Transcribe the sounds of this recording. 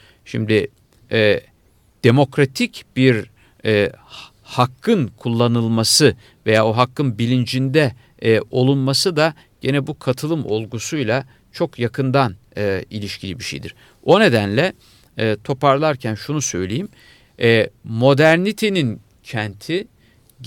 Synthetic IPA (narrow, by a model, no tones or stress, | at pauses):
ʃimd̪ɪ | ɛː | d̪̥e̞mo̞kɾat̪ʰicb̥iɾ | ɛː | hakʰːɯnkʰulˠːanɯlˠmasɯ | ve̞jaːoɦakːɯnbilʲind͡ʒind̪ɛ | o̞lˠunmasɯd̪a | ɟ̥e̞nɛbukʰat̪ʰɯlˠɯmo̞lˠɡusujlˠa | t͡ʃʰo̞kjakʰɯnd̪an | ɯilʲiʃcʰilʲibiʃḛjd̪iɾ̥ | o̞ne̞d̪ænlʲɛ | t̪ʰo̞paɾlˠaɾcʰænʃunusø̞̰jlʲejimː | mo̞d̪æɾnit̪ʰenin | cʰænt̪ʰi